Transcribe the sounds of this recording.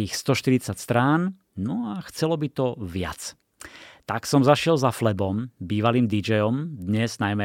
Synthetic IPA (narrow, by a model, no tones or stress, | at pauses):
iːxst̪ɔʃt̪iɾit͡sacst̪ɾaːn | nɔaxt͡sɛlɔbit̪ɔʋɪa̰t͡s | t̪aksɔmzaʃɪɛlzaflɛbɔmbiːʋaliːmd̪id͡ʒɛjɔmd̪ɲɛznajmɛ